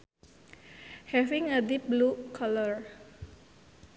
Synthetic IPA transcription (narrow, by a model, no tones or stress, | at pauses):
hɛfiŋədip̚blukʰɔlɔr